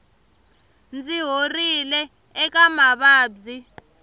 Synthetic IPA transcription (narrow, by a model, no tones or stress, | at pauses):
nd͡ziɦorilɛː | k̬amaɓaːbzi